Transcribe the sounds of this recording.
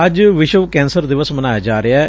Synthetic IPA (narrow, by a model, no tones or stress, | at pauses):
əd͡ʒʋɪʃəʋkɛ̃ːnsəɾd̪ɪʋəsmənaːjaːd͡ʒaːɾɪaːɛ